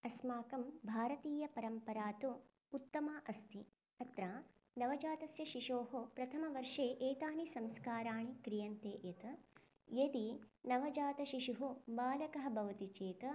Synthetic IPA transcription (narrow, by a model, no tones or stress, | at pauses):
ɐsmaːkɐmbʱaːɾɐt̪iːjɐpɐɾɐmpɐɾaːt̪u | ut̪ːɐmaːʔɐst̪ʰi | ɐt̪ɾaː | nɐʋɐd͡ʒaːt̪ɐsjɐʃiʃoːɦopɾɐt̪ʰɐmɐʋɐɾʂeːʔeːt̪aːnisɐmskaːɾaːɳikɾijɐnt̪eːʔjɐt̪ɐ | jed̪inɐʋɐd͡ʒaːt̪ɐʃiʂuɦubaːlɐkɐɦɐ̆bʱɐʋɐt̪it͡ʃeːt̪ɐ